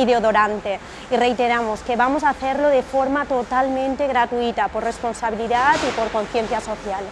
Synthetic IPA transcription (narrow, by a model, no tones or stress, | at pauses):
iðeoðoɾant̪e | irejt̪eɾamoskeβamosaθeɾloðefoɾmat̪ot̪almẽnt̪eɣɾat̪uit̪apoɾresponsaβiliðat̪ipoɾkõn̟θjẽnθjasoθjal